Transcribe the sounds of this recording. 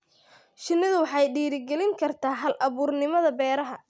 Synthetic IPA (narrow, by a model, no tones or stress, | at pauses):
ʃɪnːɪðʊwɑħɑjɖiːɾɪɡɛlɪŋkʰɐrt̪ʰaːɦɐlʔɐβuːrnɪmɐðɐbɛːɾɐɦɐ